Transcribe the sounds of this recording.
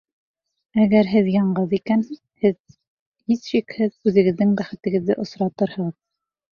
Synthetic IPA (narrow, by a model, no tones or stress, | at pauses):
æɡæɾɦɘðjɑɴɢɤðikæn | hɘð | hisʃikhɘðʉðɘ̆ɡɘ̆ðːɘŋbæχɘ̆t̪ɘ̆ɡɘ̆ðːɘ̰ʔŏsɾɑt̪ɤɾhɤ̆ʁɤð